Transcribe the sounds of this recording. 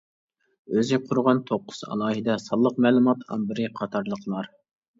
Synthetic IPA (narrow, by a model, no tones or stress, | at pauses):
øzɪqʰʊɾʊʁɑnt̪ʰoqːʊ̥z̥ɑ̰lˠɑːɦid̪ɑsɑlˠːəqmɛlˠumɑt̪ɑ̰mbɪɾɪqʰɑt̪ʰɑɾlˠəqlˠɑɾ